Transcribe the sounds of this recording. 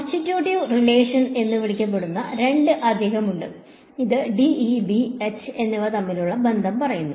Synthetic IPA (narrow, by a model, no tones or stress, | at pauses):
stitːjuːʈiʋrileːʂɐne̞nːɨʋiɭikʲːɐp̬ːe̞ɽunːɐɾe̞ɳɖɨʔɐd̪ʱːeːɦɐmuɳɖɨ | iðɨɖiibiet͡ɕːɨe̞nːiʋɐt̪ɐmːiluɭːɐbe̞nd̪ʱɐmpɐrɐjunːu